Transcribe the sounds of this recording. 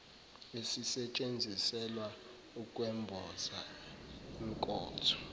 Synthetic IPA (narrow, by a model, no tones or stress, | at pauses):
esisɛt͡ʃʼend͡zʱisɛlwa | ukʼwɛmbʱɔza | iŋ̩kʼɔ̰ːtʰɔ̥